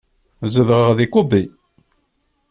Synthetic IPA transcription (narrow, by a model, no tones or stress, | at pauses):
zəðʁəʁðikubi